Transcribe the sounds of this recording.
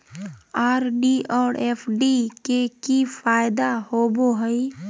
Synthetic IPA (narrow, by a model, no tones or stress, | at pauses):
aːɾɖiɔːɾeːpʰɖikekifaːjd̪ahoboɦəj